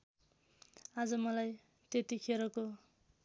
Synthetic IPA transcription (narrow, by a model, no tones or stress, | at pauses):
ad͡zʌmʌlaj | t̪et̪ikʰeɾʌko